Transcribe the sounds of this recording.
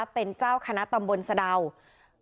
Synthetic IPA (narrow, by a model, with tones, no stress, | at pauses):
pe˧nt͡ɕaː˥˩wkʰa˧na˦˥t̪a˧mbo˧nsa˧da˧w